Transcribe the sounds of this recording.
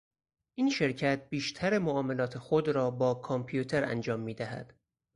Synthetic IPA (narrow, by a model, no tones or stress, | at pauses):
ʔiːnʃe̞ɾcʰæt̪̚biːʃt̪ʰæɾemoɒːme̞lɒːt̪ʰe̞xod̪ɾɒːbɒːkʰompʰijut̪ʰe̞ɾæ̰nd͡ʒɒːmːiːd̪æɦæ̰d̪̥